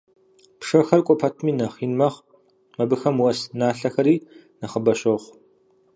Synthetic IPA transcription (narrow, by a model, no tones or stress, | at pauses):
pʂɐxɐrkʷʼɔpʰɐtʰmiːnɐχiːnmɐχ | mɐbɨxɐmwɐsnaːɬɐxɐɾiː | nɐχəbɐʃɐχʷ